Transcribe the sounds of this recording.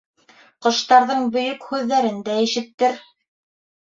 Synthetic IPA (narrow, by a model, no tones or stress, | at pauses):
qŏʃt̪ɑɾðɤɴbɵ̆jɵkhʉðːæɾɘnd̪æɘ̆ʃɘ̆t̪ːɘɾ